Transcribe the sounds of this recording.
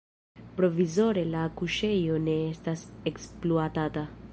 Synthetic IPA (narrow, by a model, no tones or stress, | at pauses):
pɾo̞vizo̞ɾe̞lakuʃe̞jo̞ne̞estaseksploatata